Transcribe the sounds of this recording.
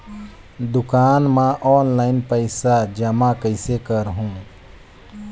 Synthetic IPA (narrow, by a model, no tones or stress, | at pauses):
d̪ʊkaːnmãʔɔːnlaːɪnpəɪsad͡ʒəmakəɪsekəɾɦũː